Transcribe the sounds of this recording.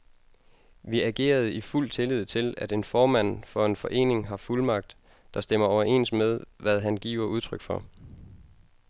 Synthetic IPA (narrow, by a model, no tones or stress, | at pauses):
ʋiæɡ̥e̝̰ːɐð̞̩ˠiful̰t͡sʰe̝lið̞̰ˠt͡sʰe̝læd̥e̝nfɒːmæn̰fɒ̽e̝nfɒ̽ʔe̝̰ːne̝ŋɦɑ̈fulmɑ̈ɡ̥̚d̥ | d̥ɑ̈sd̥em̰ɐɒʊɐʔe̝̰ːnsmeð̞ˠʋæð̞ˠɦænɡ̥ḭːʊ̰ɐʔuð̞ˠt͡sʰʁœɡ̥fɒ̽